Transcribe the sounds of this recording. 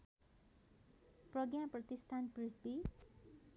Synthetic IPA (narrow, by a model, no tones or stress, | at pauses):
prʌɡjaprʌt̪ist̪ʰanprit̪ʰbi